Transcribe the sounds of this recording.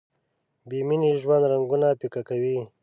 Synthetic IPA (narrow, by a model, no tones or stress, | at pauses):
biminiʒwand̪ɾaŋɡunapikakawi